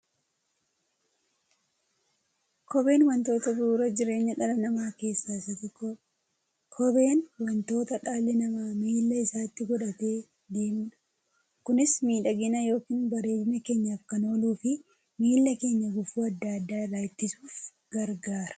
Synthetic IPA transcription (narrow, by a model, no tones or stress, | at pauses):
kɔbe̞ːnwɐnt̪o̞ːt̪ɐbuːɾɐd͡ʒɪɾe̞ːɲːɐᶑɐlɐnɐmaːke̞ːsːaːɪsɐt̪ːɪk | kʰɔbe̞ːnwɐnt̪o̞ːt̪ɐᶑaːlːɛnɐmaːmiːlːɐɪsaːt̪ːɪɡɔᶑɐt̪e̞ː | d̪eːmᶑ | kʊnɪsmiːᶑɐɡɪnɐjo̞ːkiːnbɐɾe̞ːfɪmɛke̞ːɲːɐːfkɐno̞ːluːfɪ | miːlːɐke̞ːɲːɐɡʊfuːɐd̪ːɐd̪ːaːɪrːaːɪt̪ːɪsuːf | ɡ̥ɐɾɡaːɾɐ̥